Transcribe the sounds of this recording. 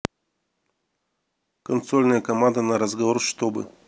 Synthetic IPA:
kɐnsolʲnəjəkɐmand̪ənɐɾɐzɡɐvoɾʂt̪obɨ̰

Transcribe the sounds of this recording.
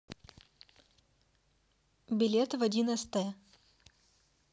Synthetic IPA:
bʲɪlʲet̪vɐdʲinəst̪əjə

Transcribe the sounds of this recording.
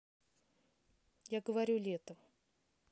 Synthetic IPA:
jaɡəvɐɾʲulʲet̪əm

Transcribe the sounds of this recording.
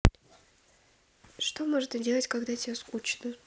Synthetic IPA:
ʂt̪o̞moʐɨt̪ədʲe̞lˠətʲkaɡd̪atʲɪbʲaskut͡ɕnə

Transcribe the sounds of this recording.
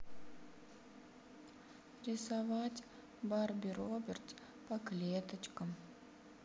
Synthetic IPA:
rʲɪsavatʲ | barbʲiɾobʲɪrt̪ʲ | pɐklʲet̪ət͡ʃkəm

